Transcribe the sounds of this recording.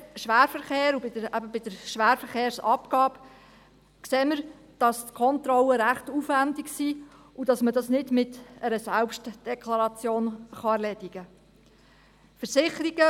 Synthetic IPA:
ʃʋæːɾfəɾχeːɾubɪd̥əɾæbəbɪd̥əɾʃʋæːɾfəɾχeːɾsɑ̰pkɑːb | kseːməɾ | d̥ɑstkʰɔnt̪ɾɔləɾæχtufʋændɪksi | udɑsmədɑsnɪdmɪtɛɾəsælpʃtd̥ɛkʰlɑɾɑt͡sjoːnχɑæɾlɛdiɡ̥ə | fəɾsɪχəɾiɡ̥ə

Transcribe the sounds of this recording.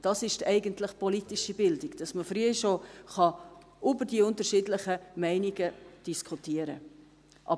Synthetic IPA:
d̥ɑsɪʃtɛɪɡəntlɪχpɔlitiʃibɪldɪɡd̥ɑsməfɾyəiʃoχɑ | ʔybəɾdiʊntəʃɪdləχəmɛɪniɡəd̥iskʰutiəɾə̰ | ʔɑ̰

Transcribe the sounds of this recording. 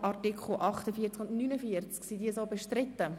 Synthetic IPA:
ʔɑrtikχl̩ˠʔɑχt̪əfiːət͡skʊndnyːnəfiəɾt͡sksidiːəsoːbɛʃtɾɪt̪ːə

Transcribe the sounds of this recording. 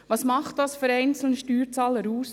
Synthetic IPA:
ʋɑːsmɑχt̚d̥ɑsfyɾɛɪnt͡sl̩nəʃtyːɾt͡sɑːləɾuːs

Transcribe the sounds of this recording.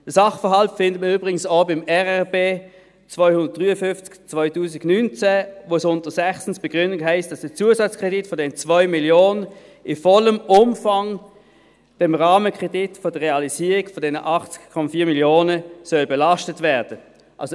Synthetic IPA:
d̥əsɑχfəɐɦɑltfɪndəməyːbʁɪɡən̩saʊbɪmɛʁɛʁbeː | t͡svaʏhʊnd̥ət̚d̥ʁyːəfʏnft͡skt͡svaʏtʰuːsɪɡnynt͡sɛvosʊntəsɛχsn̩sb̥ɛɡ̥ʁʏndɪŋɦæɪst̚d̥ɑsd̥ət͡suːəzɑt͡skʁ̥ɛditfɔdɛnət͡svɔʏmiljoːnə | ɪfɔləmʊmfɑŋ | d̥ɛmʁaːməkʁ̥ɛdɪtfod̥əʁeɑliziːʁɪkfɔdɛnə̰ʔɑχt͡skkʰɔmɑfiːɐmiljoːnəsœlbɛlɑʃtətvɛːɐd̥ə | ʔɑ̰lso

